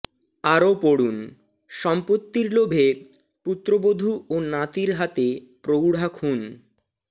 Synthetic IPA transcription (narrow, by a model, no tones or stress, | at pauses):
aɾopoɽun | ʃɔmpot̪ːiɾlobʱe | put̪ːɾobod̪ʱuonat̪iɾɦat̪e | pɾowɽʱakʰun